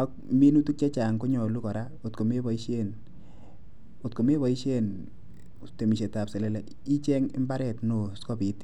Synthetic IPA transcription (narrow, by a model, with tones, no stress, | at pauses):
ɔ˦k̚ | mi˦nu˦tu˦k̚t͡ʃɛ˦t͡ʃa˨ŋko˦ɲɔ˨lu˦kɔ˨ɾa˦o˨tko˨me˦bɔ˨i˦ʃe˦n | o˨tko˨me˦βɔ˨i˦ʃe˦n˨ | te˨mi˨ʃe˨ta˨pse˨le˦la˨ | i˦t͡ʃɛ˦ŋɪ̰˦mba˦ɾɛ˨tno˨skɔ˦pi˨t